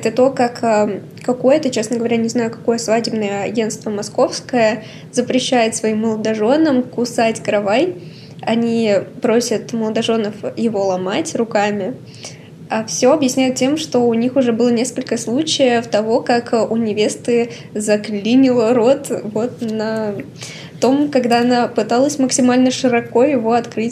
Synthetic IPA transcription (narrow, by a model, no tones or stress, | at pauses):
ɛt̪ət̪o̞kaka | kɐko̞jət̪ət͡ɕe̞snəɡəvɐɾʲanʲɪznajʊkɐ̥ko̞jəsvadʲɪbnəjəɐɡʲe̞nt̪st̪vəmɐsko̞fskəjə | zəpɾʲɪɕːæjɪt̪svɐimːəlˠəd̪ɐʐo̞nəmkʊsatʲkɾɐvaj | ɐnʲipɾo̞sʲət̪məlˠəd̪ɐʐo̞nəfjɪvo̞lˠɐmatʲrʊkamʲɪ | afsʲo̞ɐbjɪsʲnʲæjɪt̪tʲe̞mʂt̪o̞ʊnʲixʊʐɛbɨlˠənʲe̞skəlʲkəslˠut͡ɕɪjəft̪ɐvo̞kakʊnʲɪvʲe̞st̪ɨ | zɐklʲinʲɪlˠəɾo̞t̪vo̞t̪nə | t̪o̞mkɐɡd̪aɐnapɨt̪alˠəsʲməksʲɪmalʲnəʂɨɾɐko̞jɪvo̞ɐt̪kɾɨtʲ